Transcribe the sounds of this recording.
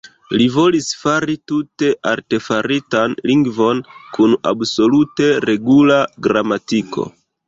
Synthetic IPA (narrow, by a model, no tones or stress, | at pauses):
livo̞lisfaɾitute̞ʔaɾte̞faɾitanliŋɡvo̞nkuna̰bso̞lute̞ɾe̞ɡulaɡɾamatiko̞̰